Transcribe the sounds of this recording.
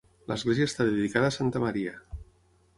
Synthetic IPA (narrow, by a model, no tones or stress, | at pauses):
lə̰zɣlezjəːst̪aðeðikaðəːsant̪əmaɾiə